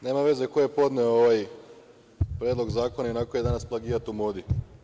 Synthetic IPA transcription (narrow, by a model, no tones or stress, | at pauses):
ne̞ːmaʋe̞zekojepo̞d̪neooʋaj | pɾjed̪lˠo̞ɡzaːkonainakojed̪anasplˠaɡiːɾat̪umoːd̪i